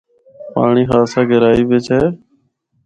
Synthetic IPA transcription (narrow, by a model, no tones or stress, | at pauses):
pa̰ːɳiːɦaːsãːɡəɾaːiːʋeːt͡ʃʰɛː